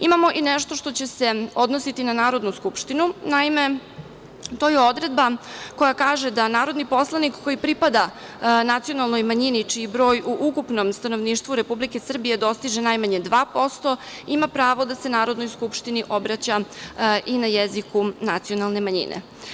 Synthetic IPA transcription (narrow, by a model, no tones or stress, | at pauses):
imamo̞ʔineʂt̪o̞ʂt̪o̞t͡ɕese̞o̞d̪nosit̪inanaːɾo̞d̪nuskupʃt̪inunaime̞ | t̪o̞jeo̞d̪ɾe̞d̪bako̞jakaːʒed̪anaːɾo̞d̪nipo̞slˠanikkːo̞jipɾipad̪a | nat̪sio̞nalˠno̞jmaɲinit͡ʂiːbɾo̞ːjuʔukupno̞mst̪ano̞ʋniːʃt̪vʋuɾe̞publike̞sr̩bije̞d̪o̞st̪iʒenajmaɲe̞d̪ʋaːpo̞st̪o̞imapɾaːʋo̞d̪ase̞naːɾo̞d̪no̞jskupʂt̪iniʔo̞bɾat͡ɕaʔinajezikunat̪sio̞nalˠne̞maɲḭnʔḛ